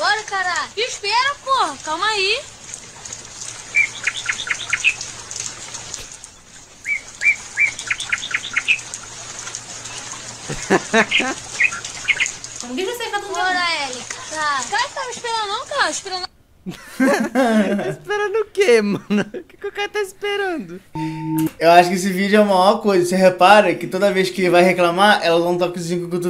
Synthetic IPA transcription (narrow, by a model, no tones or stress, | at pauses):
ɔlɐkaɾakiʃpɛɾɐpohɐkaũmai | õvikɐsẽt̪apuoɾaɛliakakt̪avispeɾɐ̃nd̪ʊnɐ̃w̃kaĩʃpiɾɐ̃nd̪ | aspeɾɐ̃nd̪ʊʊkem̃nkɪkewkɛɾɐt̪aispeɾɐ̃nd̪ʊ | ewaʃʊkɪes̬ɪvid͡ʒʊɛũmɐaɔɾkojzɐseɦepaɾɐkɪt̪od̪ɐvejʃkɪvajheklamaɾɛlɐvɐ̃t̪ɔkuzĩɲʊkõket̪u